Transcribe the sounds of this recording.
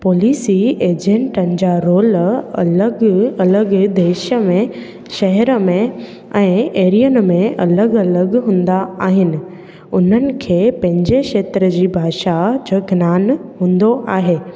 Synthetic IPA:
poːliːsieːd͡ʑẽɳʈənɪ̆d͡ʑaːɾoːlɐləɡɐləɡd̪eːʃəmẽ | ʃɐɦɛɾəmẽ | ɛ̃ːeːɾijənmẽɐləɡɐləɡɦũːn̆d̪aaːɦɪnɪ̆ | ʊn̤ənɪ̆kʰeːpɐ̃ɦɪ̃ɲd͡ʑeʃeːt̪ɾəd͡ʑiːbʱaːʃad͡ʑoːɡʱnaːnɦũːnd̪oʔaːɦeː

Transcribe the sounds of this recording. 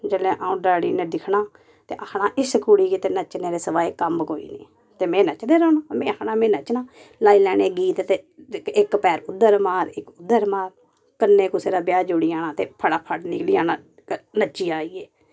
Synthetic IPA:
d͡ʒəlẽːʔaːũːɖaːɽḭːnẽːd̪ɪkʰɳaː | t̪ḛːʔəkʰnaːʔɪskuːɽiːɡeːt̪eːnət͡ʃneːɾeːsəʋaːeːkəmkoːḭːnḭː | t̪eːmẽːnət͡ʃd̪eːɾoːnãːmẽːəknaːmẽːnət͡ʃnãː | laːiːlɛːɽeːɡiːt̪t̪eːɪkpɛːɾʊd̪ːəɾmaːɾɪkʊd̪ːəɾmaːɾ | kənːeːkʊseːd̪aːbjaːd͡ʒʊɽiːaːnaːt̪eːpʰəɽaːpʰəʈniːkliːaːnaː | nət͡ʃːiːaːiːeː

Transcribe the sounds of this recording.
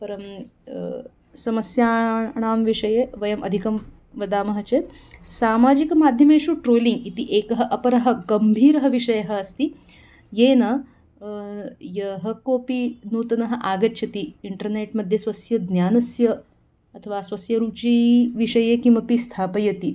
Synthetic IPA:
pɐɾɐm | sɐmɐsjaːɳaːmʋiʂɐjeːʋɐjɐmʔɐd̪ʱikɐm | ʋɐd̪aːmɐɦɐt͡ʃeːt̪ | saːmaːd͡ʒikɐmaːd̪ʱjɐmeːʃuːʈɾoːliŋɡit̪iʔeːkɐɦɐʔɐpɐɾɐɦɐ̆ɡɐmbʱiːɾɐɦɐʋiʂɐjɐɦɐːst̪i | jeːnɐ | jɐɦɐkoːpinuːt̪ɐnɐɦɐ̆ʔaːɡɐtːʃʰɐt̪iiɳʈɐɾneːʈmɐd̪ʱjesʋɐsjɐd̪njaːnɐsjɐ | ɐt̪ʰɐʋaːsʋɐsjɐɾuːt͡ʃiːʋiʂɐjekĩʋɐpist̪ʰaːpɐjɐt̪i

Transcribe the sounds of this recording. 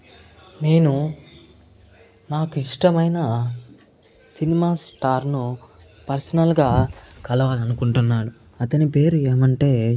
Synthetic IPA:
ne̞ːnu | naːkuiʂʈɐmɐjnɐ | sinimaːsʈaːɾnu | pɐɾsɐnɐlɡaːkɐlɐʋaːlɐnukuɳʈunːaːɽu | ɐt̪ɐnipe̞ːɾueːmɐɳʈe̞ː

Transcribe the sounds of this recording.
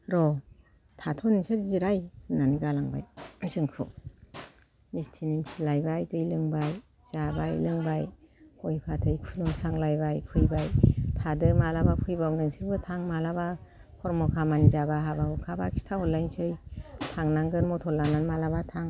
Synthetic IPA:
ɾɔ | tʰatʰɔnisɯɾziɾajɯnaniɡalaŋba̰jsɯŋkʰṵ | mistʰinimsʰilajbajtɯjlɯŋbaj | z̥abajlɯŋbaj | hojpʰatʰɯjkʰulumsaŋlajbajpʰɯjbajtʰadɯmalabapʰɯjbawnɯŋsiɾbɯtʰaŋmalaba | kʰɔɾmɔkʰamanizabaɦabahɔkʰabakʰi̥stʰahɔlːajŋsɯjtʰaŋnaŋɡɯɾmɔtʰɔlːananmalabatʰaŋ

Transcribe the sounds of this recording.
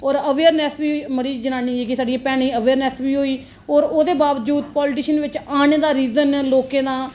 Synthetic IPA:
ɔːɾəʋeːəɾnɛːsʋiːməɽiːd͡ʒənãːnĩːd͡ʒeːkɪsaːɖieːpɛːɽ̃ĩːəʋeːɾnɛːsʋiːɦoːiː | ɔːɾoːd̪eːbaːʋəd͡ʒuːd̪pɔːlɪʈiːʃənʋɪt͡ʃaːñeːd̪aːɾiːzənloːkẽːd̪ãː

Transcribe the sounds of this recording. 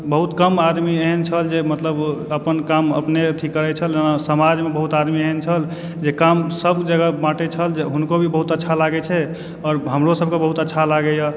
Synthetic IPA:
bəɦut̪kəmad̪mieɦənt͡ʃʰəld͡ʒemət̪ləbəpənkamə̰pnet̪ʰikːəɾɛt͡ʃʰəlenasəmad͡ʒmebəɦut̪ad̪mieɦənt͡ʃʰəl | d͡ʒekamsəbkd͡ʒəɡamaʈet͡ʃʰəld͡ʒeɦunkobʱibəɦut̪ətːʃʰalaɡɛt͡ʃʰɛ | ɔːɾɦəmɾosəb̚kebəɦut̪ətːʃʰalaɡɛjə

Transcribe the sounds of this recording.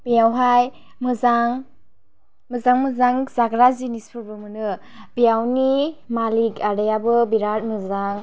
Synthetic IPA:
b̥ijawɦaj | mɯzaŋ | mɯzaŋmɯzaŋzaɡɾazinispʰuɾbɯmɯnɯ | bijawnimalikadajabɯbiɾat̚mɯzaŋ

